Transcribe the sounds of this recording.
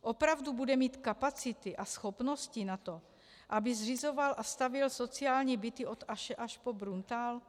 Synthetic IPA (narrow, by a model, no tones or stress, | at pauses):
ʔo̞pɾavdubudɛmiːt̪kapat͡sɪt̪ɪʔasxo̞pno̞scɪnat̪o̞ | ʔabɪzrɪzo̞valʔast̪avjɪlso̞t͡sɪaːlɲiːbɪt̪ɪʔo̞t̪aʃɛʔaʃpo̞bɾunt̪aːl